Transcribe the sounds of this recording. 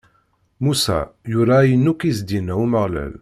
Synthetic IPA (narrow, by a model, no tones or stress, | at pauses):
musæ̰jʊɾajənːukizd̪inæwməʁlæ̰l